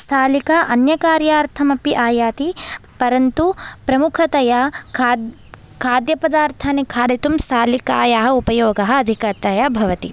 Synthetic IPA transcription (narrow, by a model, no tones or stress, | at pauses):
st̪ʰaːlikaʔɐnjɐkaːɾjaːɾt̪ʰɐmɐpiʔaːjaːt̪ipɐɾɐnt̪upɾɐmukʰɐt̪ɐjakʰad | kʰaːd̪jɐpɐd̪aːɾt̪ʰaːnikʰaːd̪ʱit̪umst̪ʰaːlikaːjaɦɐ̆upɐjoːɡɐɦɐ̆ɐd̪ʱikɐt̪ɐjabʱɐʋɐt̪ḭ